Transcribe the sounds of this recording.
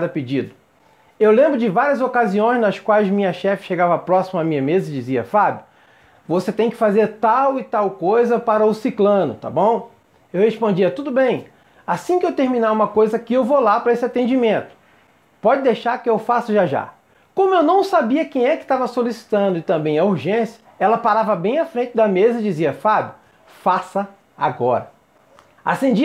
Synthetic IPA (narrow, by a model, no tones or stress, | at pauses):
d̪ɐped͡ʒid̪ʊ | ewlẽmbɾʊd͡ʒɪvaɾiɐzokaziõj̃znɐskwajzmĩɲɐʃɛfɪ̥ʃeɡavɐpɾɔsimɐamĩɲɐmezɐɪd͡ʒiziɐ̰fabjʊ | voset̪ẽj̃kɪ̥fazeɾt̪awɪt̪awkojzɐpaɾɐʊsiklɐ̃nʊ̰t̪a̰bõw̃ | ewhespõd͡ʒiɐt̪ud̪ʊbẽj̃ | asĩkɪewt̪eɾmĩnaũmɐkojzɐkɪewvolapɾɐesɪat̪ẽd͡ʒimẽnt̪ʊ̥ | pɔd͡ʒɪd̪ejʃaɾkɪewfasɐʒaʒa̰ | kõmʊewnɐ̃w̃sabiɐkẽj̃ɛkɪ̥t̪avɐsolisi̥t̪ɐ̃nd̪ʊɪt̪ɐ̃mbẽj̃ɐuɾʒẽsiɐ | ɛlɐpaɾavɐbẽj̃afɾẽnt͡ʃɪd̪ɐmezɐɪd͡ʒiziɐfabjʊ | fasɐ | a̰ɡɔɾɐ | a̰sẽd͡ʒi